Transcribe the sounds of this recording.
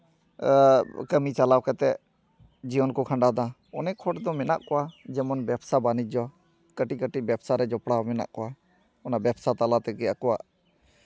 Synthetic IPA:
kəmit͡ʃalawkɛt̪ɛ | d͡ʒiɔnkɔkʰãɳɖad̪ã | ɔnɛkʰɔʈd̪ɔmɛna̰ʔkɔwad͡ʒɛmɔnbɛpsabanid͡ʒɔa | kəʈikəʈibɛpsaɾɛd͡ʒɔpɽamɛna̰ʔkɔwa | ɔnabɛpsat̪alat̪ɛɡɛakɔwa̰ʔ

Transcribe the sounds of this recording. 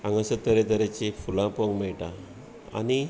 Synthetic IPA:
ãŋɡasət̪əɾet̪əɾet͡ɕefulãpoŋɡmɛɭʈa | a̰ni

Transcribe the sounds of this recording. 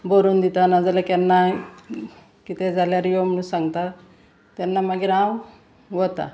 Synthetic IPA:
boɾuːnd̪it̪anad͡zalakanːa | kit̪ed͡zaljaɾijom̤əɽ̃ũːnsãŋɡt̪a | t̪janːamaɡiːɾãw | ʋət̪a̰

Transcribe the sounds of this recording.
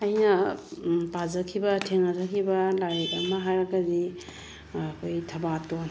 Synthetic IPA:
ɐjnɐ | pad͡ʒɐkʰibɐtʰeŋatʰakʰibɐlaɾetɐmɐɦajɾɐɡɐdi | kʰojtʰɐbaton

